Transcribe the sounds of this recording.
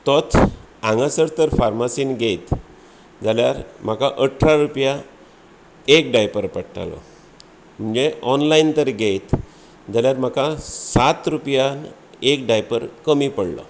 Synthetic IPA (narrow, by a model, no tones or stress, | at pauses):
t̪ɔt̪ʰ | ãŋɡasəɾt̪əɾfaɾmasinɡejt̪ | d͡zaljaɾm̤akaʔəʈʰːɾaɾupja | ekɖajpəɾpəɽʈa̰lɔ̰ | m̤əɳd͡zeɔnlaint̪əɾɡejt̪ | d͡zaljaɾm̤akãsat̪ɾupja | ek̚ɖajpəɾkəmipəɽlɔ̰